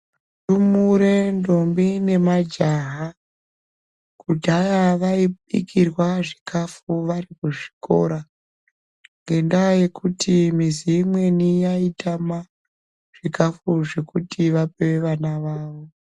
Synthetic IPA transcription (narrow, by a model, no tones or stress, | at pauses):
tumuɾe̞ndombine̞mad͡ʒaɦa | kutiajaʋaiɓḭkʰirwaʐikafuʋarikuʐi̥ko̞̰ɾa | ŋɡe̞ndaje̞kutʰimiziːmwe̞nijaitʰama | ʐ̥ikafuʐe̞kutʰiʋapewe̞ʋanaʋaːʋo̞